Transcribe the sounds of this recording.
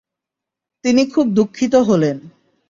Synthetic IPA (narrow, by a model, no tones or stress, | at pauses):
t̪inikʰub̚d̪ukʰːit̪̬oɦolen